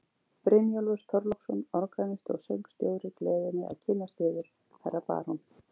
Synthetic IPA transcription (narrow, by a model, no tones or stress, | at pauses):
pɾɪnjolvʏst̪ʰɔɾlɔksɔnɔɾkanɪst̪ɔ̰ɣsœwŋkst̪jœːɣʏɾɪklɛːðɪnːɪa̰ðcʰɪnːast̪ɪːðʏɾ̥ | hɛrːapa̰ːɾɔn